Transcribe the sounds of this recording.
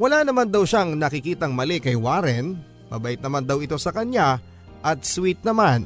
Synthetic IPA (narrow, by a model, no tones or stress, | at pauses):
wɐlanɐmand̪ɐwʃaŋnɐkɪkiːt̪ɐŋmɐlɛkɐjwaɾɛn | mɐ̰baʔɪt̪̚nɐmand̪ɐwɪt̪o̞sɐkɐɲja | ʔɐt̪̚swit̪̚nɐman